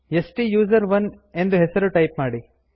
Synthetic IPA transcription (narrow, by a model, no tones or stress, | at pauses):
esʈijuːzɐɾʋɐn | e̞nd̪uɦɛsɐɾuʈɐjpmaːɽi